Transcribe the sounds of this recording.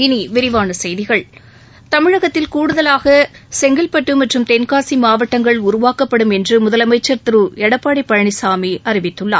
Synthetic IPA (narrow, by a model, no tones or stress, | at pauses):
ɪniʋɪɾɪʋaːnɐsɛjðɪɣɐɭ | t̪ɐmɪɻɐɣɐt̪ːɪlkuːɽɯðɐlaːɣɐsɛŋɡɪlpɐʈːɯmɐʈrɯmt̪ɛnkaːsimaːʋɐʈːɐŋɡɐɭʊɾʊʋaːkɐpːɐɽɯmɛndrɯmʊðɐlɐmɐɪt͡ʃːɐɾt̪ɯɾɯɛɽɐpːaːɽɐɪpːɐɻɐɳɪsaːmiʔɐɾɪʋɪt̪ːɯɭːa̰ː